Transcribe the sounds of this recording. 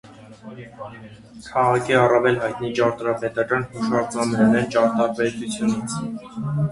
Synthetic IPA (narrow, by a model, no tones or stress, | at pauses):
kʰɑʁɑkʰiɑrɑvɛlɦɑjt̪nit͡ʃɑɾt̪ɾɑpɛt̪ɑkɑnhuʃɑɾzɑmɛɾɛnɛnt͡ʃɑɾt̪ɑɾpɛt̪ut͡sʰjunit͡sʰ